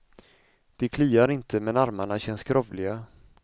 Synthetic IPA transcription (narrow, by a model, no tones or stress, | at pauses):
d̪̥ɛkʰliːaɾɪnt̪ʰəmɛnaɾmaɳaɕɛnːskɾɔvlɪɡa